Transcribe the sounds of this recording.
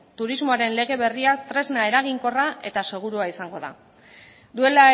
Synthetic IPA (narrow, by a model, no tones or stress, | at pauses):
t̪uɾizmo̞aɾe̞nle̞ɣ̞e̞βe̞riat̪ɾe̞znae̞ɾaɣ̞iŋko̞raʔe̞t̪ase̞ɣ̞uɾuaisaŋɡo̞ða̰ | d̪ue̞la